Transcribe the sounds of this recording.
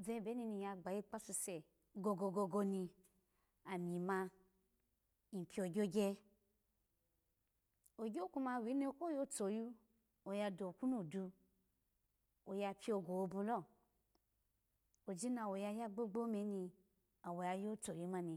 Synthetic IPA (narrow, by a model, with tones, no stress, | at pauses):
ze˧˦˨be˨˦ni˧ni˧ja˧ɡ͡ba˨ji˦k͡pa˦su˧se˨ | ɡo˧ɡo˧ɡo˧ɡo˧ni˧ | a˨mʲi˨ma˧ | i˨pʰʲi˧o˨˧ɡʲo˦ɡʲe˧ | o˨ɡʲo˦ku˧ma˧˨wi˨˦ni˧˦ko˦jo˦t͡so˨ju˦ | o˨ja˧do˨ku˦nu˦˨du˧ | o˨ja˧pʰʲi˦o˧ɡo˨o˧bu˧lɔ˦˨ | o˨d͡ʒi˦na˧wo˨ja˧ja˦ɡ͡bo˦ɡ͡bo˦me˧˦nĩ˧ | a˨wo˨ja˧jo˦t͡so˨ju˧˦ma˧ni˧